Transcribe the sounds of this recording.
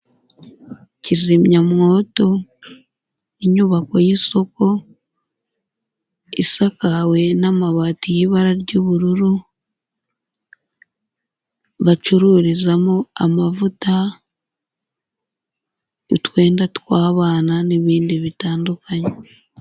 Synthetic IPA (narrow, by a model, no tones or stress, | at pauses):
cizimɲamŋo̞ːto̞ | iɲuβako̞jiso̞ko̞ | ḭsakawe̞namaβatijiβaɾaɾɟuβuɾuɾu | βat͡ʃuɾuːɾizamoamavuta | itwe̞ːndatwaːβaːnaniβiːndiβitaːndukaɲe